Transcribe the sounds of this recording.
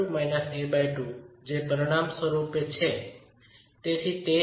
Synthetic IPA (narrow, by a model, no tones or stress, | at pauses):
majnəsebajʈud͡ʒepəɾiɽ̃amswəɾupet͡ʃʰe | t̪et̪ʰit̪e